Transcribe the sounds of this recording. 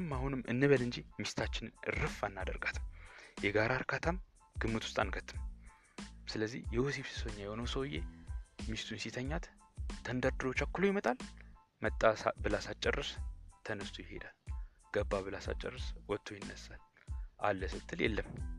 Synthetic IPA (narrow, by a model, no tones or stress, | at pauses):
ɨmːahunɨmːʔɨ̰nːɨβəlɨnd͡ʒimist̪ʰat͡ʃːɪnɨnɨ̰ɾɨfanːad̪ə̰ɾɡat̪ʰɨjɛɡaɾʔaɾkʰat̪ʰam | ɡ̥ɨmːɨt̪ʰʊ̥st̪ʼanɡət̪ʰːɨm | sɨləzːḭhjɛwosiβsi̥səɲːajɛho̞nəwsəwjḛmist̪ʰunsit̪ʰəɲːat̪t̪ʰːənd̪əɾd̪ɨɾo̞t͡ʃːakːulojɪmət̪ʼal | mət̪ʼːasa̰bɨlasat͡ʃʼːɛrːɨst̪ʰənɨst̪ʰujɪhe̞̰d̪al | ɡ̥əbːaβɨlasa̰t͡ʃʼːə̰rːɨswɔt̪ʰːojɪnːəsːalʔa̰lːəsɨt̪ʰːɨljɛ̰lːəmː